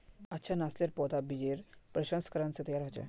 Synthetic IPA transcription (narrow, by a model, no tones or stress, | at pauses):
ətːɕʰanasleɾpɔt̪abid͡ʑeɾpɾəɕə̃nskəɾənt͡set̪əjaɾɦot͡ɕḛ